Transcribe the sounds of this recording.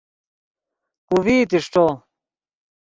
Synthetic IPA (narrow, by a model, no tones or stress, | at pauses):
kuviːt̪̬iʂʈ͡ʂo